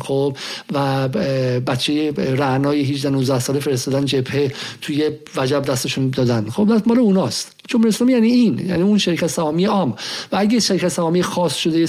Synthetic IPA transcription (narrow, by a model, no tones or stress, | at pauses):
xobvæ | bæt̪t͡ʃʰːejeɾænɒːjeɦid͡ʒd̪ænuzd̪æhsɒːlefe̞ɾest̪ɒːd̪ænd͡ʒe̞bhet̪ʰujevæd͡ʒæbd̪æst̪eʃund̪ɒːd̪ænd̪̥xobd̪æmɒːleunɒːst̪ | d͡ʒomhuɾeslɒːmijæniinjæ̰niunʃeɾicʰæt̪sæɒːmijeʔɒːmvææɡeʃeɾikʰæt̪sæɒːmijexɒːsʃod̪eje